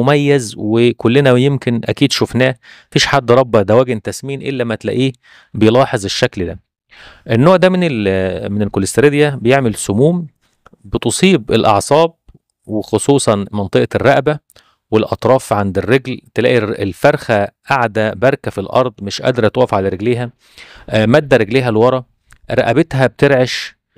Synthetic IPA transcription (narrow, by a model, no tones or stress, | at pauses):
mæjːæzwekolːenæjemkenʔæ̰kiːd̪ʃofnæː | fiːʃħad̪ːɾˤɑbːɑd̪æwæːɡent̪æsmiːnʔḛlːæmæt̪læ̰ʔiː | bejlɑːħezˤeʃːækld̪æ̰ | ʔenːoːʕd̪æmenelmenelkolest̪ɾed̪jæbejeʕmelsʊmuːm | bet̪osˤiːbelʔɑ̰ʕsˤɑːb̚ | wexosˤuːsˤɑnmɑnt̪ˤɨʔrːæʔbæ | welʔɑ̰t̪ˤɾˤɑːfʕand̪erːeɡlt̪elæ̰ːʔielfɑɾˤxæʔaʕd̪æbɑɾˤkæfilʔɑ̰ɾˤd̪ˤmɪʃʔæ̰d̪ɾˤt̪wæːʔfʕalæɾeɡleːɦæ | mæd̪ːæɾeɡleːɦælwɑɾˤɑ | ɾˤæʔæbet̪ɦæb̚t̪eɾʕeʃ